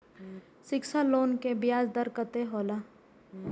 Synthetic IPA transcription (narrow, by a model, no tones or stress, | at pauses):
sɪkʃaloːnkebɪjaːzd̪əɾkət̪eɦoːla